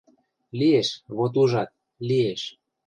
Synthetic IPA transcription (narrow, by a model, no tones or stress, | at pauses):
lieʃβot̪̬uʒɑt̪̚ | lieʃ